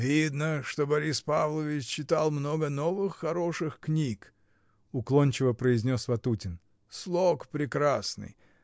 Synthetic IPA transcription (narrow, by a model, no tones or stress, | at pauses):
vʲid̪nəʂt̪obɐɾʲispavlˠəvʲɪt͡ɕt͡ɕːɪt̪alˠmnoɡənovɨxːɐɾo̞ʂɨxknʲik | ʊklˠonʲt͡ɕɪvəpɾəɪzʲnʲosvɐt̪utʲɪn | slˠokpɾʲɪkɾasnɨ̰j